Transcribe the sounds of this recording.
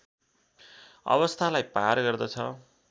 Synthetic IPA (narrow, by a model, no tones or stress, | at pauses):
ʌ̰bʌst̪ʰalajparɡʌrd̪ʌt͡sʰʌ